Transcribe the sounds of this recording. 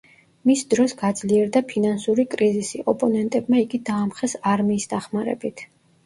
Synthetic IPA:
misd̪ɾɔsɡad̪z̥liɛɾd̪apʰinansuɾikʼɾizisiʔɔpʼɔnɛnt̪ʼɛbmaiɡid̪aːmχɛsaɾmiːsd̪aχmaɾɛ̰bit̪ʰ

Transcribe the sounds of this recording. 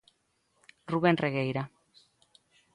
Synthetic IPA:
ruβenreɣejɾa

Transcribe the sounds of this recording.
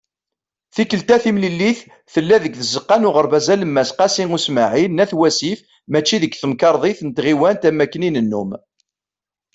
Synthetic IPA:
θikəlt̪æθimlilːiθ | θəlːæðəɡθəzəqːɑnʊʁəɾbæzæləmːæsqɑsiŋusmaʕinːæθwæsif | mæt͡ʃːiðəkθəmkɑɾˤðˤiθnət̪ʁiwænt̪æmækːəninənːum

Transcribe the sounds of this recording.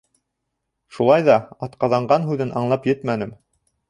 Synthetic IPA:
ʃulˠɑjðɑɑt̪qɑðɑɴɢɑnɦʉðɘnʔɑɴlˠɑpjɘt̪mænɘm

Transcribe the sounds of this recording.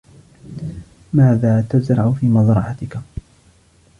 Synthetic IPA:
maːðaːt̪azɾˤɑʕʊfiːmɑzɾˤɑʕat̪ɪka

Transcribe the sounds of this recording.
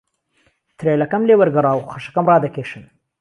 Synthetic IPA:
t̪ʰɾeːlɐkɐmleːwɐɾɡɐɾˤɑːwχɐʃɐ̥kɐmrɑːd̪ɐkeːʃɨn

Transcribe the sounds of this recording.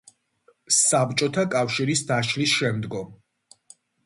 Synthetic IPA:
sabt͡ʃʼɔt̪ʰakʼafʃiɾisd̪aʃlisʃɛmd̪ɡɔm

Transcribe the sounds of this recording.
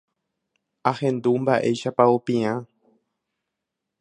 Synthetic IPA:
ahẽ̞nd̪umbaʔe̞jʃapaopĩã

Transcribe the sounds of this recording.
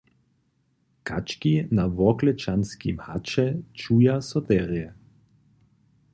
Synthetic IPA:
kat͡ʃkinaʋɔklɛt͡ʃanskimhat͡ʃɛt͡ʃujasɔt̪ɛʁjɛ

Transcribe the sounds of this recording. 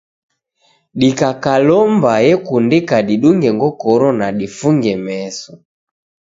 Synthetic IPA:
ɗikakalɔmbahɛkundikaɗiɗuŋɡɛŋɡɔkɔɾɔnaɗifuŋɡɛmɛsɔ

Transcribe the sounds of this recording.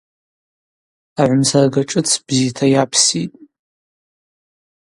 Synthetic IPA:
aʕʷʊmsarɡaʈ͡ʂʼɨt͡sʰb̥zitʰajapʰsitʼ

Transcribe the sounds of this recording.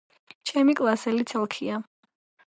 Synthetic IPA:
t͡ʃʰɛmikʼlˠasɛlit̪sʰɛlˠkʰia

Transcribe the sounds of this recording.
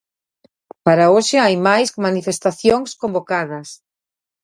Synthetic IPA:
paɾaoʃɪajmajsmanifest̪aθjoŋskombokaðɐs

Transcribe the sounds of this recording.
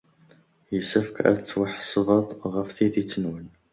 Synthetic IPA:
jəsæfkæ̰t͡sːwəħsˤvɑðˤʁəfθiðit͡sːənwən

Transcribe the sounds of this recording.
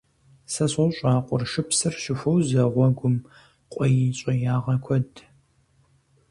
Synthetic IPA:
sɐɕɐɕʼaːqʷʼɔrʂɨpsɨrɕɪfʷowzɐʁʷɔɡʷʊm | qʷʼɔjiɕʼɐjaːʁɐkʷʰɔd

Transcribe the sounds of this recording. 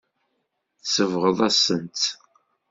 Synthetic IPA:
θsəvʁəðˤæsənt̪

